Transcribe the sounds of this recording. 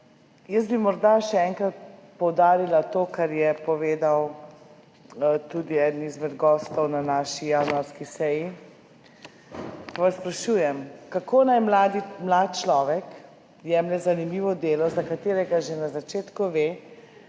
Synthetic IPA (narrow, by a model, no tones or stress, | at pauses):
jəst̪bimɔɾd̪aʃɛɛŋkɾat̪̚pɔwd̪aːɾilat̪okaɾjɛpɔʋeːd̪aw | t̪uːd̪iɛd̪ənizmɛd̪ɡɔːst̪ɔwnanaːʃijanuaɾskisɛji | paʋaspɾaʃuːjɛmkakʰoːnajmlad̪imlat̪̚t͡ʃlɔːʋɛk | jɛmlɛzanimiʋɔd̪eːlɔzakat̪eːɾɛɡaʒenazat͡ʃeːt̪kuʋeː